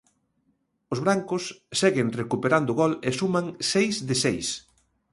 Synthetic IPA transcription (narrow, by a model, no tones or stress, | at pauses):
ozβɾaŋkʊssɛɣɪnrekupeɾand̪ʊɣɔlesumãŋsejzðɪsejs